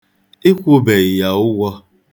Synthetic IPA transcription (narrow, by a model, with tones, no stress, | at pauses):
ɪ˦kʷʊ˦be˨ɣɪ˨ja˨ʊ˦ɡʷɔ˦